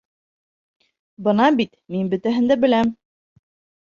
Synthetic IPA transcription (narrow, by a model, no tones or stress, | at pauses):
bɤ̆nɑbit̪minbɵ̆t̪æɦɘ̆nd̪æbɘ̆læm